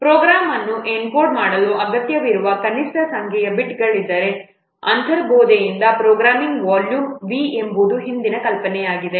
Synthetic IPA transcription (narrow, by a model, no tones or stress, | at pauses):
pɾoːɡɾaːmɐnːuʔenkoːɾɖmaːɽɐluʔɐɡɐt̪jɐʋiɾuʋɐkɐniʂʈɐsɐŋkʰɛjɐbiʈɡɐɭid̪ːɐɾe̞ | ɐ̰nt̪ʰɐɾboːd̪ejind̪ɐpɾoːɡɾaːmiŋɡʋaːljumʋie̞mbud̪uɦind̪inɐkɐlpɐnɛjaːɡid̪e̞